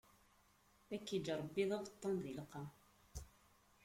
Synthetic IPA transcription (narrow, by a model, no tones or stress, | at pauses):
ækːid͡ʒɾˤəbːiðˤɑʁət̪ˤːɑnðilqɑ